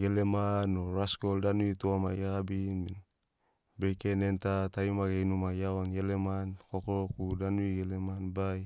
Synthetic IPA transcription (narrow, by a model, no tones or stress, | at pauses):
ɡelemanoɾaskoldanuituama̰jaɡabinin | bejkenentatajumaɡejnumajaonɡelemankokokudanuiɡelemanbaj